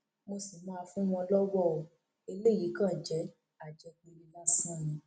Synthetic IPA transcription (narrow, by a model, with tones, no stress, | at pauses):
mo˧si˨mãː˦˧fũ˦w̃ɔ̃˧lɔ˦wɔ˦˨o˨ | e˧le˦˨ji˨˦kã˦˨d͡ʒɛ˨˦ | a˨d͡ʒɛ˨˧k͡pĩ˧li˧la˦sã˦˨jĩ˨˦